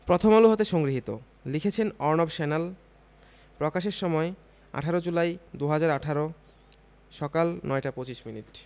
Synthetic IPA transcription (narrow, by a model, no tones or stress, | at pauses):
pɾot̪ʰomaluɦot̪eʃɔŋɡɾiɦit̪o̰ | likʰet͡ɕʰenɔɾnobʃɛnel | pɾɔkaʃeɾʃɔmɔe | a̰ʈʰaɾod͡ʑulajd̪uɦad͡ʑaɾaʈʰaɾo | ʃɔkalnɔeʈapot͡ɕiʃminiʈ